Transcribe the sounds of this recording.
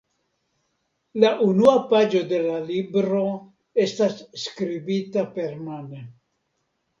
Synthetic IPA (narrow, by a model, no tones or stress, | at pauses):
laʔunuapad͡ʒo̞d̪e̞lalibɾo̞ | e̞stasːkɾibitape̞ɾmane